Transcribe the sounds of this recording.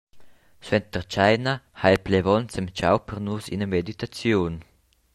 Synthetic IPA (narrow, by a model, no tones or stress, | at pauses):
swɛnt̪ərt͡ʃajnahaɛlplevɔnt͡sɛmt͡ʃa̰wpərnusḭnəmed̪it̪at͡sjun